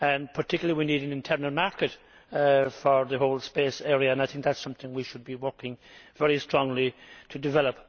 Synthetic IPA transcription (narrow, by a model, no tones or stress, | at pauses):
ə̃npʰə˞tʰɪkjləlˠiwiniɾɨ̃nɨ̃ntʰɛɹnəl̩ˠmaɹkɨt | fə˞ðəɦoʊlˠspeːsɛɹiɨə̃naɪθɪ̃ŋk̚ðætsʌ̃mθɪ̃ŋwiʃɨd̚biwɜ˞kɪ̃ŋvɛɹistɹ̥ɔ̃ŋlitʰɨdɨvɛlˠəp